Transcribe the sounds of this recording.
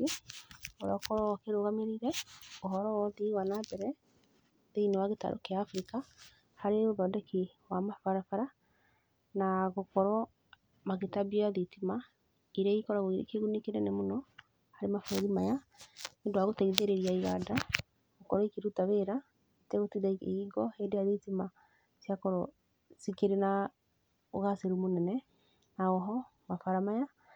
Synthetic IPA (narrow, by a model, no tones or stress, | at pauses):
oɾɔkɔɾɔkeɾoɣameɾiɾɛoɦɔɾɔwɔðiwanabɛɾɛ | ðeinewaɣeta̰ɾʔo̰keaːfɾika | haɾeoðɔdɛki | wamafaɾafaɾa | naɣokɔɾɔ | maɣetabiɔjaðitima | iɾaikɔɾaɣoiɾḛkeɣunikeɾɛnemonɔ | haɾemafoɛðimaja | endoaɣotɛiðeɾeɾiaiɣada | ɣokɔɾɔikeɾutaβeɾa | etɛɣotiða̰iɡɔhendejaðitima | sjakɔɾɔ | sikeɾena | o̰ɣaseɾumonɛnɛ | naɣɔɦɔ | mafaɾamaja